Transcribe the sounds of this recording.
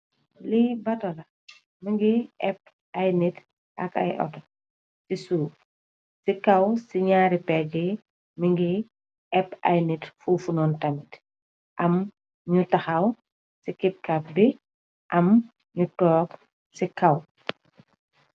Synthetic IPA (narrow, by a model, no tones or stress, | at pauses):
libɐtɔlɐ | miŋɡiɛp̚ | ʔɐjnit | ʔɐ̰kɐ̰jʔɔ̰t | sisuːk | sikɐwsiɲaːɾipɛɡi | miŋɡi | ɛpɐ̰jnitfufunɔntɐmit | ʔɐm | ɲutɐxɐw | sikip̚kap̚bi | ʔɐm | ɲutɔːk | sikɐw